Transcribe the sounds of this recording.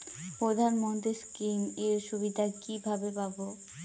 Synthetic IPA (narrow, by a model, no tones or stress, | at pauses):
pɾod̪ʱanmont̪ɾiɾskimeɾʃubid̪ʱakibʱabepabo